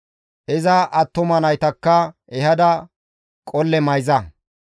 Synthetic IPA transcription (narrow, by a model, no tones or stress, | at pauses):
ʔɪzɐʔɐt̪ːɔmɐnɐjt̪ɐkːɐ | ɛhɐd̪ɐ | kʼɔlːɛmɐjzɐ